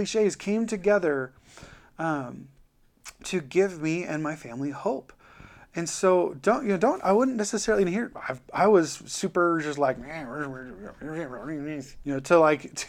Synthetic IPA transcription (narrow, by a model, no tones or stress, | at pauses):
iʃeɪz̥kʰẽɪ̃mtʰɨɡɛðə˞ | ʌ̃m | tʰɨɡɪvmiɨ̰̃nmaɪfæ̃mlihoʊp | ɨ̃nsoʊdõʊ̃nʔjɨoʊdõʊ̃nta̰ɪwʊdⁿn̩nːɛsɨsɛɹl̩ˠĩnhiɹa̰ɪvaɪwʌz̥sʉpə˞d͡ʒʌstˡlaɪkæwɪw | niz̥jɨnoʊɾəlaɪktʰ